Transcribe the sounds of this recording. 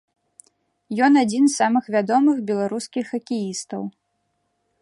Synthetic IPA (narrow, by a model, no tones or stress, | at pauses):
jɔnad͡zʲinsːamɨxvʲad̪ɔmɨxbʲɛlˠaɾuskʲixɐkʲijist̪ɐw